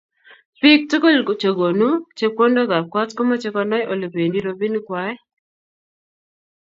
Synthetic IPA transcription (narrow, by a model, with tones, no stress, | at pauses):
pi˦k̚tu˦ko˦lt͡ʃo˨ɡo˨nu˦t͡ʃe˦p̚ko˦ndɔ˦ɡa˨p̚kwa˦tko˦mɔ˦t͡ʃe˦kɔ˦nɔ˦jʔo˨lo˨pe˨ndi˦ɾo˦bi˦nkwa˦ɛ˦